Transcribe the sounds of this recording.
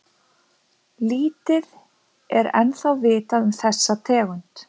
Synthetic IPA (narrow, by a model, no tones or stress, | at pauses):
liːt̪ɪð | ɛɾɛ̰nθawvɪːt̪aðʏmθɛsːat̪ʰɛːɣʏnt̪